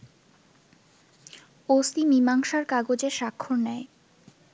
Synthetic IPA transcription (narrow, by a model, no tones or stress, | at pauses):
ost̪imimaŋʃaɾkaɡod͡ʑeʃakʰːoɾnɛe